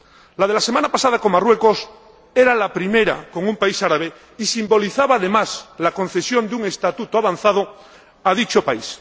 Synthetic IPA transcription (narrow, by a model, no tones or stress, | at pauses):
lað̞e̞lasemanapasað̞akoŋmarwe̞kos | e̞ɾalapɾime̞ɾa̰ko̞ŋũmpaisaɾaβ̞e | isimbo̞liθaβaːðe̞maslako̞n̟θe̞sjo̞nd̪uŋe̞st̪at̪ut̪oaβanθað̞o | að̞it͡ʃopais